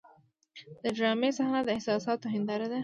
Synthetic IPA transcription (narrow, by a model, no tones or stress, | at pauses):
d̪̥əɖɾɑmesahnad̪əɪhsɑsɑt̪oɦɪnd̪ɑɾad̪a